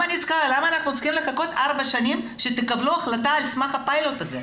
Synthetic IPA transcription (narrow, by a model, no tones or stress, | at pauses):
anit͡sχalamaːnaχnuosχimle̞χako̞t̪aʁbaʃanim | ʃet̪ekabluaχlataːlsmaχapajlot̪aze